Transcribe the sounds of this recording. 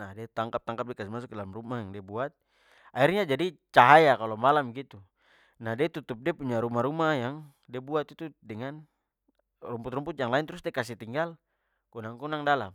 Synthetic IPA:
nadiat̪aŋkap̚t̪aŋkap̚dɛkasimas̬uk̚dalmrumajaŋdiabuat̪̚ | airɲad͡ʒadit͡ʃaɦajakalɔmalamɡit̪u | nahdiɛt̪ut̪up̚diapuɲaɾumaɾumajaŋ | diabuat̪it̪udɛŋan | rumpuʊt̪rumput̪̚jaŋlaint̪ɾusdɛkas̬it̪iŋɡal | kunaŋkunaŋdala̰m

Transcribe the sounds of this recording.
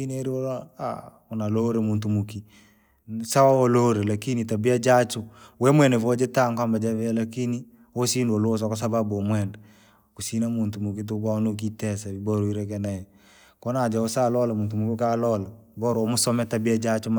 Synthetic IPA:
ineɾiwɔla̰ | ʊnaloɾemuntumuki | sawawɔloɾelakinitabiad͡ʒat͡ʃuwɛmwɛnevɔd͡ʒetaŋkambad͡ʒavɛlakini | osindolos̬ɔkɔs̬ababomwɛnd | kusinamuntumukit̬ukanuk̬itɛsabibɔɾoiɾekɛnajɛ | kɔnad͡ʒaosalɔlamutumukukalɔlabɔɾomʊsɔmɛtabiad͡ʒat͡ʃum

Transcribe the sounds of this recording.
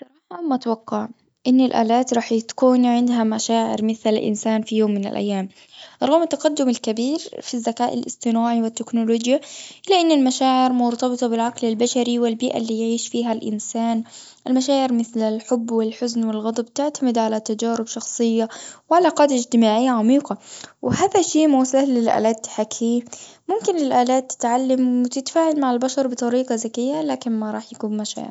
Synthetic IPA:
sˤɑɾˤɑːħamʊt̪awɑqːɑʕ | ʔɪnːɪlʔa̰ːlaːt̪ɾˤɑːħjɪt̪kuːnʕɪnd̪ɦamaʃaːʕɪ̰ɾmɪθlɪlʔɪ̰nsaːnfijoːmːɪnɪ̰lʔa̰jːaːm | ʔɑɾˤɣɑmɪt̪ːɑqɑd̪ːʊmɪlkabiːɾfizːakaːʔɪ̰lʔɪ̰st̪ɪnaːʕiwɪt̪ːɪknʊloːd͡ʒjaʔɪlːaʔɪnːɪlmaʃaːʕɪɾmʊɾt̪ɑbɨt̪ˤɑbɪlʕaqlɪlbaʃaɾiwɪlbiːʔa̰lːiːjʕiːʃfiːɦalʔɪ̰nsaːn | ʔɪlmaʃaːʕɪɾmɪθlɪlħʊbːwɪlħʊznwɪlɣɑd̪ˤɑbt̪ɪʕt̪amɪd̪ʕalat̪ad͡ʒaːɾɪbʃɑxsˤɨjːawʕalaqɑːd̪ɪd͡ʒt̪ɪmaːʕɪjːaʕamiːqɑwɪhaːðaʃiːmawsˤahlɪlʔa̰ːlaːt̪ːħakʰiːmʊmkɪnlɪlʔaːlaːt̪ːɪ̥t̪ʕalːamwɪt̪ɪt̪faːʕalmaʕɪlbaʃɑɾˤbɨt̪ˤɑɾiːqɑzakɪjːalaːkɪnmaɾˤɑ̰ːħjakuːnmaʃa̰ːʕɪ̰ɾ

